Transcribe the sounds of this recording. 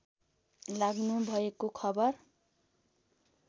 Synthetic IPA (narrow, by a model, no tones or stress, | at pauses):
laɡnubʱʌekokʰʌbʌr